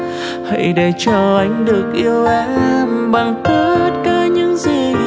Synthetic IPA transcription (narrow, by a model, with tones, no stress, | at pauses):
hə̰˧˨jɗe˧˩t͡ɕəː˧˩ʔa˨˧˦jŋ̟ɗɨ˨˩ək̚ʔi˧əwʔɛ˨˦mɓa˨˩ŋkɨ˨˦t̚kaː˨˦ɲɨ̰˧˥ŋzi˨˩